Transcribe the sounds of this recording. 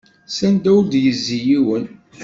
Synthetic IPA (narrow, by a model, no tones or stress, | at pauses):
sænd̪æwd̪jəzːijiwən